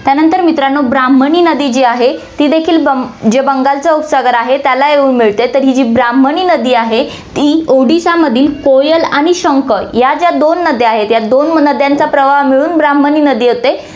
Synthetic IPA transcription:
t̪janənt̪əɾmit̪ɾanːobɾam̤əniːnəd̪iːd͡ʑiːaɦet̪iːd̪ekʰiːlbəd͡ʑebəŋɡalt͡səup̪saɡəɾaɦet̪jalajeuːnmiɭt̪et̪əɾɦiːd͡ʑiːbɾam̤əniːnəd̪iːaɦe | t̪iːoɽisaməd̪ʱiːlkojəlaɽ̃iɕəŋkəjad͡ʑjad̪onːəd̪ʱjeaɦet̪jad̪onnəd̪ʱjant͡sapɾəʋaɦmiɭuːnbɾaməniːnəd̪iːɦot̪e

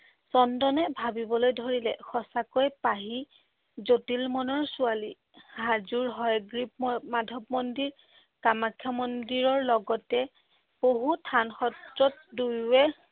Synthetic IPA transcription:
sɔndɔnɛbʱabibɔlojdʱoɹilɛ̰xɔsakojpaɦi | zotilmɔnɔɹsuali | hazuɹɦɔjɡɹip̚madʱɔpmondiɹ | kamakʰjamɔndiɹɔɹlɔɡɔtɛ | b̥oɦutʰanxɔtɹɔt̚dujwɛ

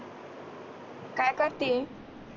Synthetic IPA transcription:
kajkəɾt̪i

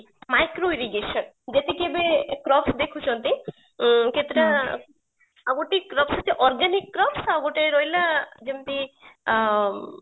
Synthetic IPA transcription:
majkɾoiɾiɡeʃɔn | d͡ʒet̪ekebekɾɔpsd̪ekʰut͡ʃʰɔnt̪i | kʰet̪ɾa | aɡoʈikɾɔpseteʔɔɾɡanikːɾɔpsaɡoʈeɾɔjlad͡ʒemt̪i

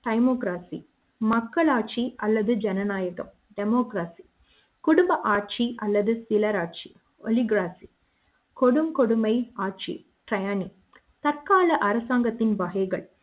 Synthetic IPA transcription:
ʈɐɪmoːkɾaːsḭ | mɐkːɐɭaːʈ̚t͡ʃiɐlːɐðɯd͡ʒɛnɐnaːjɐɣɐ̰m | ɖɛmoːkɾaːsi̥ | kʊɽʊmbɐʔaːʈ̚t͡ʃiʔɐlːɐðɯsɪlɐɾaːʈ̚t͡ʃi̥ | ɔliɡɾaːsi | kɔɽɯmkɔɽʊmɐɪaːʈ̚t͡ʃḭ | ʈɾɐjaːni | t̪ɐrkaːɭɐʔɐɾɐsaːŋɡɐt̪ːɪnʋɐɦɐɪɣɐɭ

